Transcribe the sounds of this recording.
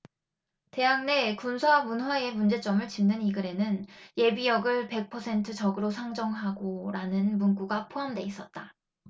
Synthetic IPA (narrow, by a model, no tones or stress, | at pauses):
te̞ɦaŋne̞kunsʰwamunɦwae̞mund͡ʑe̞t͡ɕ͈ʌmɯɭt͡ɕimnːɯniɡɯɾe̞nɯnje̞bijʌɡɯɭpe̞k̚pʰʌsʰe̞ntʰɯt͡ɕʌɡɯɾosʰaŋd͡ʑʌŋɦaɡoɾanɯnmunɡuɡapʰoɦamdwe̞is͈ʌt̚t͈a